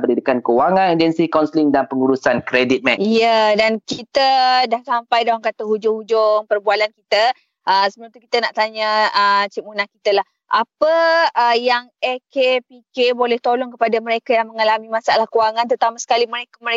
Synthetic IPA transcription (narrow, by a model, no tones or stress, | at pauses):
bərdidikankəwaŋãnid͡ʒɛnsikansəliŋdanpəŋuɾusankɾedit̪̚mɛijədankit̪ədahsampajdaaŋkat̪əɦud͡ʒʊŋhud͡ʒʊŋpərbualankit̪ə | ʔəsəbap̚t̪ukit̪ənaʔt̪aɲəət͡ʃimunahkit̪əlah | ʔapəəjaŋekepikebolɛht̪olɔŋkəpadamə̃ɾekajaŋməŋalamĩmãsaalahkəwaŋãnt̪ət̪amasə̥kaliməɾekaməɾe